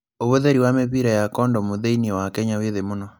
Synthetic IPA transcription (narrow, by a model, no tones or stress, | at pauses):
oβoðeɾiwameβiɾɛjakɔndɔmoðeiniɔwakɛɲaweðemonɔ